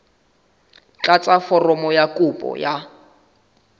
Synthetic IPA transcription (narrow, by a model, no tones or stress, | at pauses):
t͡ɬat͡sʼafɔrɔmɔjakʼupʼɔ̰ja